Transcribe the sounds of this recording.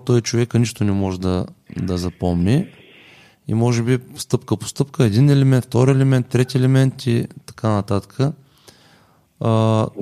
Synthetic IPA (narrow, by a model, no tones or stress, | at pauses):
t̪ɔjit͡ʃovɛkəniʃt̪onɛmɔʒɛd̪ɐd̪ɐzɐpɔmni | ḭmɔʒɛbist̪ɤpkəpo̥st̪ɤpkəɛd̪inɛlɛmɛ̃nt̪ft̪ɔɾiɛlɛmɛnt̪ːɾɛt̪iɛlɛmɛnt̪it̪ɐ̥kanɐt̪at̪ə̥kʰə